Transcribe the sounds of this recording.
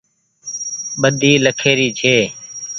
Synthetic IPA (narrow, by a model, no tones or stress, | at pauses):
ɓəd̪ʱiːləkʰeːɾiːt͡ʃʰeː